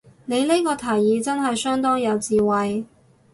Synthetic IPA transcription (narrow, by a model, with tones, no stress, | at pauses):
ne˨˧jle˥kɔː˧t̪ʰɐː˨˩jːiː˨˧t͡sɐ˥nɦɐ˨jsœː˥ŋt̪ɔː˥ŋjɐ˨˧wt͡siː˨wɐ˨j